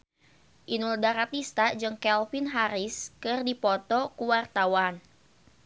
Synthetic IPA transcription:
ʔinuldaɾat̪ist̪ad͡ʒɨŋkɛlfinɦaɾiskɨrdipɔt̪ɔkuwart̪awan

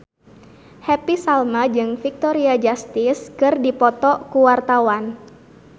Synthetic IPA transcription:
hɛpisalmad͡ʒɨŋfik̚t̪ɔɾiad͡ʒast̪ɪskɨrdipɔt̪ɔkuwart̪awan

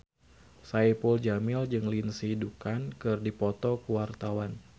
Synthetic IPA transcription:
saipuld͡ʒamɪld͡ʒɨŋlinsidukankɨrdipɔt̪ɔkuwart̪awan

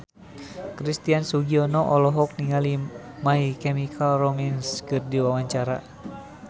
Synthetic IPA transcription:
kɾist̪iansuɡiɔnɔʔɔlɔɦɔk̚niŋali | maikɛmikʰalromanskɨrdiwawaɲt͡ʃaɾa

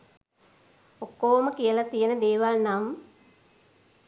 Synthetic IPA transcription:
okːoːməkijəlat̪ijənəd̪eːʋalnam

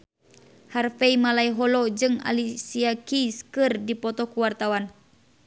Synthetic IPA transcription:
harfeimalaiɦɔlɔd͡ʒɨŋa̰lisiakiskɨrdipɔt̪ɔkuwart̪awan

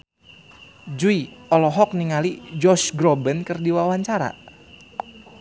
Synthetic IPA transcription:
d͡ʒuiɔlɔɦɔk̚niŋalid͡ʒɔsɡɾɔbənkərdiwawaɲt͡ʃaɾa̰

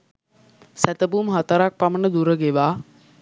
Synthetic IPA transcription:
sæt̪əbumɦat̪əɾak̚pamənəd̪uɾəɡeʋaː

